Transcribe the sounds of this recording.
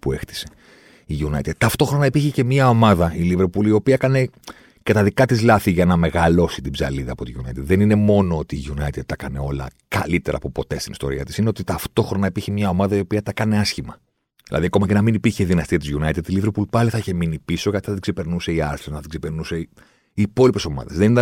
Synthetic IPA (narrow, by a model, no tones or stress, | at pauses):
pue̞xt̪i̥se̥ | iʝunɐ̰ḭt̪ed̪̥̚t̪ɐft̪o̞xɾo̞nɐipiɾçece̞mɐo̞mɐðɐiliveɾpulio̞piɐkɐne̞ | kɐt̪ɐðikɐt̪izlɐθiʝɐnɐme̞ɣɐlo̞sit̪ibzɐ̰liðɐːpo̞t̪iʝunɐ̰it̪ed̪ðenine̞mo̞no̞ot̪iːʝunɐit̪ed̪̚t̪ɐkɐne̞o̞lɐ̰ | kɐ̰lit̪e̞ɾɐ̰ːpo̞po̞t̪e̞st̪inist̪o̞̰ɾiɐt̪isineot̪it̪ɐft̪o̞xɾo̞nɐipiɾçemɲɐo̞mɐðɐio̞piɐt̪ɐkɐne̞ɐsçimɐ | ðilʔɐ̰ðiɐko̞mɐcenɐminipiɾçeðinɐst̪iɐt̪izʝunɐit̪ed̪iliveɾpulpɐliθɐiçeminipiso̞kɐt̪i̥θɐt̪iɡ̥zsepe̞ɾnuse̞iɐɾθɾonɐt̪iɡsepeɾnuse̞ | iːpo̞lipe̞so̞mɐ̰ðɐzðenit̪ɐ